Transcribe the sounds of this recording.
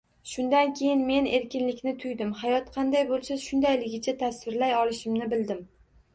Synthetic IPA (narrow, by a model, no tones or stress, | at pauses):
ʃʊnd̪ankʲʰe̞jɪnme̞ne̞ɾkʲɪnlɪkʲnɪt̪ʰʊjd̪ɪmhajɒt̪qʰɑnd̪ajbolˠsaʃʊnd̪ajlɪɡʲɪt͡ʃʰat̪ʰasvɪɾlajɒlɪʃɪmnɪbɪld̪ɪm